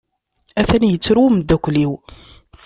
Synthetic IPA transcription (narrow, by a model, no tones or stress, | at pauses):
æθænjət͡sːɾumd̪ækʷliw